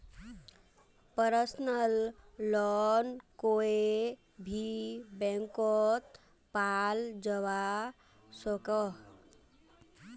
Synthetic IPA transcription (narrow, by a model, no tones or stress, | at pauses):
pəɾəsnəlːɔnkoe | bʱibɛ̃ŋkɔt̪ | pald͡ʒəβa | sɔkəɦ